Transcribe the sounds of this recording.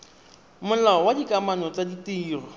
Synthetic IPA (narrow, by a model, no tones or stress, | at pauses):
mʊlaɔwadikʼamanɔt͡sʼaditʼiːrɔ